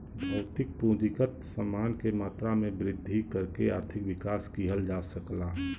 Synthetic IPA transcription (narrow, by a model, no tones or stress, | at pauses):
bʱɐʊt̪ɪk̚pũːd͡ʒɪkət̪səmaːnkemaːt̪ɾamẽbɾɪd̪ʱːikəɾkeaːɾt̪ʰɪkʋɪkaːskiɦəld͡ʒasəklaːɦ